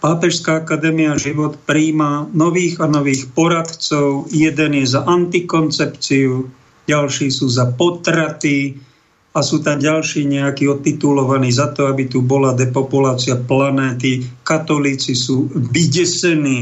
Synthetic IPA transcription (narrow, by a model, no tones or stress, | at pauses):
paːpɛʃskaːakad̪ɛːmiaʒiʋɔt̪pɾiːmanɔʋiːɣanɔʋiːxpɔɾat̪t͡sɔʊjɛd̪ɛnjɛzaʔant̪ikɔnt͡sɛpt͡siu | ɟalʃiːsuːzapɔt̪ɾat̪i | asuːt̪amɟalʃiːɲɛakiːɔt̪it̪ulɔʋaniːzat̪ɔabit̪ubɔlad̪ɛpɔpulaːt͡siaplanɛːt̪̬ikat̪ɔliːt͡sisuːʋiɟɛsɛniː